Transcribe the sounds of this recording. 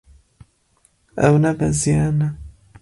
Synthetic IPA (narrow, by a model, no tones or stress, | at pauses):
a̰unabaziana